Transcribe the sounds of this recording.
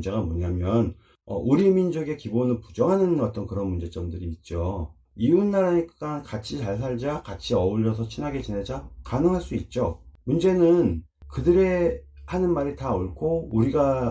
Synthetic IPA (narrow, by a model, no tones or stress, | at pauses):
d͡ʑe̞ɣamoɲamjʌn | ʌ̰ʔuɾimind͡ʑoɡe̞kibonɯɭpu̥d͡ʑʌŋɦanɯnʌt͈ʌnkɯɾʌnmund͡ʑe̞t͡ɕ͈ʌmdɯɾiːt̚t͡ɕ͈o | iunːaɾaɲikk͈ankat͡ɕʰit͡ɕaɭs̬ʰaɭd͡ʑakat͡ɕʰiʌuʎːʌs̬ʰʌt͡ɕʰinɦaɡe̞t͡ɕined͡ʑakanɯŋɦaɭs͈uit̚t͡ɕ͈omund͡ʑe̞nɯnkɯdɯɾe̞hanɯnmaɾitaoɭkʰouɾiɡa